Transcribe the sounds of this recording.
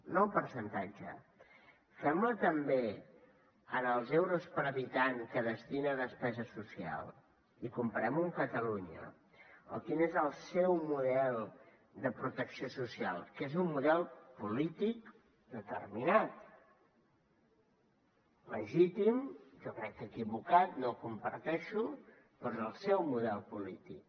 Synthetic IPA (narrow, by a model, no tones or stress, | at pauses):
nɔwpəɾsənt̪ad͡ʒə̰ | fɛmlət̪əmbe | ənəlˠzɛwɾuspəɾəβit̪aŋkəðəst̪inəðəspɛzəsusia̰lˠ | ikumpəɾɛmuŋkət̪əluɲə̰ | ə̰lˠkinezəlˠsɛwmuðɛlˠ | d̪əpɾut̪əksiosusia̰lˠkezummuðɛlˠpulit̪ik̚ | d̪ət̪ə̰rminat̪ | ləʒit̪imʒɔkɾɛkːəkiβukat̪nokumpəɾt̪ɛʃu | pɔzəlˠsɛwmuðɛlˠpulit̪ik̚